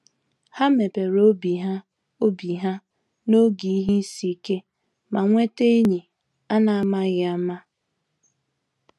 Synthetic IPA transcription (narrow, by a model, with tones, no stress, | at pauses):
ha˦me˨pe˨ɾo˦bi˨ɦa˦ | o˦bi˨ɦa˦ | no˦ɡi˨i˦ɦi˦si˨˦ke˦ | ma˨ŋʷe˦te˦e˦ɲi˨ | a˦na˨a˨ma˦ɣɪ˨a˦ma˦